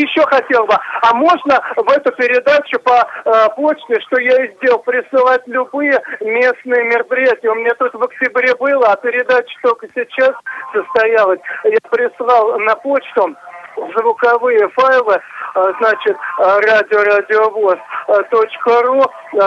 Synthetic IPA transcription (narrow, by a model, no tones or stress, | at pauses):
jɪɕːoxɐtʲe̞lˠbɨɐmo̞ʐnəvɛt̪ʊpʲɪɾʲɪd̪at͡ɕʊpɐpo̞t͡ɕt̪ʲɪʂt̪o̞jaɪzʲdʲe̞lˠpɾʲɪsˠɨlˠatʲlʲʊbɨjəmʲe̞snɨjəmʲɪrəpɾʲɪjætʲɪjəʊmɪnʲat̪olʲkəvək̚tʲɪbɾʲe̞bɨlˠəɐpʲɪɾʲɪd̪at͡ɕɪ̥t̪o̞lʲkəsʲɪt͡ɕassəst̪ɐjalˠəsʲjapɾʲɪslˠɑlˠnɐpo̞t͡ɕt̪ʊzvʊkɐvɨjəfajlˠɨznat͡ɕɪt̪radʲɪoradʲɪovost̪o̞t͡ɕkəru